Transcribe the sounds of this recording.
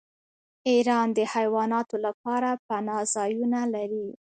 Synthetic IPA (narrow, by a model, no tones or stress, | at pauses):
iɾɑnd̪əhajwɑnɑt̪olap̚ɑɾapanɑzɑjunalaɾi